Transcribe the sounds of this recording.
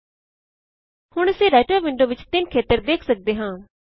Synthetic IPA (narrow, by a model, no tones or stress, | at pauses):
hʊɳəsĩːɾaːɪʈəːɾʋɪɳɖoːʋɪt͡ʃt̪ɪnkʰeːt̪əɾd̪eːkʰsək̚d̪eːɦãː